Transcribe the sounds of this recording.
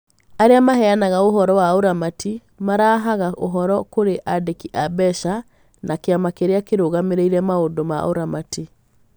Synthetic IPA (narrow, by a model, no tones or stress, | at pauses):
aɾeamahɛanaɣaoɦɔɾɔwaoɾamati | maɾaːɦaɣaʔoɦɔɾɔkoɾeʔadekiʔabɛʃa | nakeamakeɾeakeɾoːɣameɾeiɾɛmaondoma̰o̰ɾamati